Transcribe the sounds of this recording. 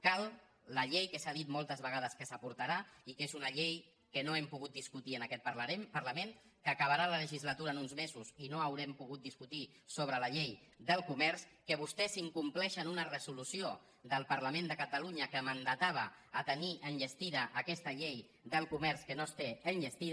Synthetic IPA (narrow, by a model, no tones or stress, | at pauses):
kalˠː | əʎejkəsað̞it̪mɔlˠt̪əzβəɣ̞að̞əskəsəpuɾt̪əɾaikezunəʎej | kənoɛmpuɣut̪̚d̪iskut̪iənəkɛt̪̚pəɾləmpəɾləmeŋkəːkəβaɾalələʒizlət̪uɾəːnunzmezuzinoəwɾɛmpuɣut̪̚d̪iskut̪i | soβ̞ɾələʎejd̪əlˠkumɛɾskəβust̪ɛsiŋkumplɛʃənunərəzulusio | ðəlˠpəɾləmẽnd̪əkət̪əluɲəkəmənd̪ət̪aβ̞əːt̪əniʔənʎəst̪iðəʔəkɛst̪əʎej | d̪əlˠkumɛɾskənost̪eənʎəst̪i